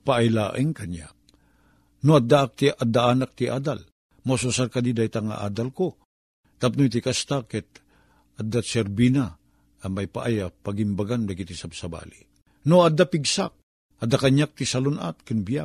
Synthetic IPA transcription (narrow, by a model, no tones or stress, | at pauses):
paʔajlaːʔɪŋkaɲa̰k̚ | noad̪aak̚t̪iʔad̪ːaanak̚t̪iʔa̰ːd̪al | mosusarkad̪id̪ajt̪aŋa̰ʔa̰ːd̪alko | t̪ap̚nojt̪ikast̪akɛt̪̚ | ad̪ːasɛɾbinaː | majpa̰ʔajapaɡimbaɡand̪aɡit̪isabsaba̰ːli | noad̪ːapiɡsak̚ | ad̪ːakaɲak̚t̪isalʊna̰t̪̚kɪnbija